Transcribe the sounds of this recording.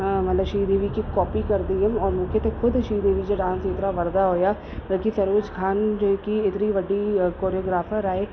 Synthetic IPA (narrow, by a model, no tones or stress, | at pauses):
mɐt̪ləbʃiːd̪eːʋikikɔːpikɐɾd̪iɐmɔːɾmʊkʰjet̪exʰʊd̪ʃiːd̪eːʋid͡ʒaɖãːnseːt̪naʋɐɾd̪aɦoːjaː | ʋɐlkisɐɾʋɪt͡ʃkʰaːnd͡ʒokiɪt̪niʋɐɖikoːɾijoːɡɾaːfʰəɾaːeː